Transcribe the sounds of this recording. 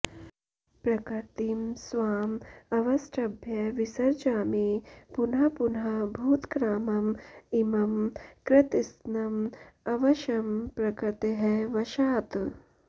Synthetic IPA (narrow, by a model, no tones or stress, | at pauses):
pɾɐkɐɾt̪imsʋaːmɐʋɐsʈʰɐbʱjɐʋisɐɾd͡ʒaːmipunɦɐpunɦɐbʱuːt̪kɾaːmɐmimɐmkɾɪt̪isnɐmɐʋɐʃɐmpɾɐkɐt̪eɦɛʋɐʃaːt̪